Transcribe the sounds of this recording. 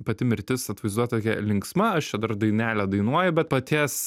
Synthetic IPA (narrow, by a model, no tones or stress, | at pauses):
pɐt̪ʲɪmʲɪɾʲt̪ʲɪsɐt̪ʋɐɪzd̪uɔt̪oːkʲɛ̰lʲɪŋksmɐɐʃt͡ʃʲɛd̪ɐɾd̪ɐɪnʲæːlʲɛd̪ɐɪnuɔjʊbʲɛt̪pɐt̪ʲiːs